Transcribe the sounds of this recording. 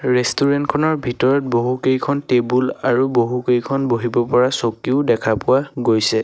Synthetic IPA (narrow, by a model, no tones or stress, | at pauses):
ɹestuɹɛntkʰɔnɔɹbʱitɔɹɔt̚boɦukejkʰɔntebulaɹuboɦukejkʰɔnboɦibɔpɔɹasokiʊdɛkʰapʊwaɡojsɛ